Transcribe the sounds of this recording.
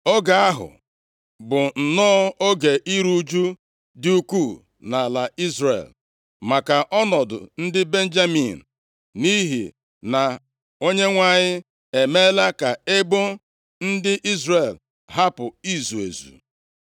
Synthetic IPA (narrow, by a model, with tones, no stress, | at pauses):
o˦ɡa˨a˦ɦʊ̰˨ | bʊ˨n̩˨nɔː˦o˦ɡe˨ʔi˦ɾu˦d͡ʒu˦ | dɪ˦u˦ku˦˨ | na˨la˨i˦zrḛ˨l | ma˨ka˨ʔɔ˦nɔ˨dʊ̰˨n̩˦dɪ˦be˦n̩˦d͡ʒa˦mi˨n̩˨ | ni˦ɦḭ˨ | na˨ | o˦ɲe˦ŋʷa˦ɲɪ˦ | e˨me˦la˦ka˨e˦bo˦ | n̩˦dɪ˦ʔi˦zre˦˨l | ɦa˦pʊ˨i˦zu˨ḛ˨zṵ˨